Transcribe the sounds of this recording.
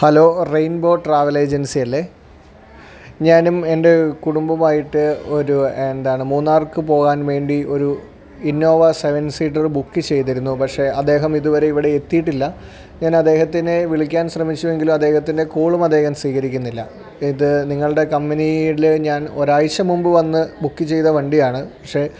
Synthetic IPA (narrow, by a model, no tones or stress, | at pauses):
hɐlo̞ːrejnbo̞ːʈraːʋɐle̞ːd͡ʑɐnsijɐlːe̞ | ɲaːnume̞nde̞kuɽumbɐmaːjiʈːɨo̞ɾuend̪aːɳɨmuːnːaːrkɨpo̞ːɣaːnʋe̞ːɳɖio̞ɾu | inːo̞ːʋɐse̞ʋɐnsiːʈ̬ːɐrbukːɨt͡ɕe̞jt̪̬iɾunːupɐkʂe̞ɐd̪ːe̞ːɦɐmiðuʋɐɾe̞iʋiɽe̞et̪ːijiʈːilːɐ | ɲaːnɐd̪ːe̞ːɦɐt̪ːineʋiɭikʲːaːnsrɐmit͡ɕːue̞ŋɡilumɐd̪ːeːɦɐt̪ːinde̞kuːɭumɐd̪ːe̞ːɦɐmsʋiːɣɐɾikʲːunːilːɐ | iðɨniŋːɐɭɨɽe̞kɐmbɐniilɲaːno̞ɾaːjt͡ɕːɐmumbɨʋɐnːɨbukːɨt͡ɕe̞jt̪ɐʋɐɳɖijaːɳɨpɐkʂe̞